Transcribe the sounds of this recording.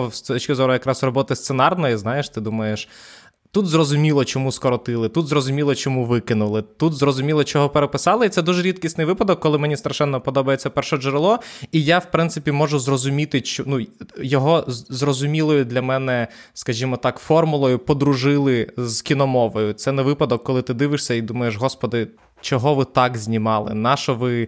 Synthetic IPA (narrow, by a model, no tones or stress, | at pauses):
st̪ɔt͡ʃʲkɪzɔɾʊjɐkɾɑsrɔbɔt̪ɪst̪senɑrnɔjiznɑjeʃt̪ɪd̪umɐjeʃ | t̪ut̪zrɔzʊmʲilˠɔt͡ʃɔmuskɔɾɔt̪ɪlˠɪt̪ut̪zɾɔzʊmʲilˠɔt͡ʃɔmuʋɪkɪnʊlˠɪt̪ut̪zrɔzʊmʲilˠɔt͡ʃɔɦɔpeɾepɪsɑlˠɪit̪sɛd̪uʒɛɾʲit̪kʲisʲt̪nɪjʋɪpɐd̪ɔkːɔlˠɪmɛnʲist̪ɾɐʃɛnːɔpɔd̪ɔbɐjet͡sʲːɐpɛrʃɔʒɾɪlˠɔijawpɾɪnt̪sɪpʲimɔʒʊzrɔzʊmʲit̪ɪt͡ʃɔnujɔɦɔzrɔzʊmʲilˠɔjʊd̪lʲɐmɛnɛ | skɐʒʲimɔt̪ɑkfɔrmʊlˠɔjʊpɔd̪ɾʊʒɪlˠɪzkʲinɔmɔʋɔjʊt̪sɛnɛʋɪpɐd̪ɔkːɔlˠɪt̪ɪd̪ɪʋɪʂsʲɐid̪umɐjeʃɦɔspɔd̪ɪ | t͡ʃɔɦɔʋɪt̪ɑkzʲnʲimɑlˠɪ̰nɑʃɔʋɪ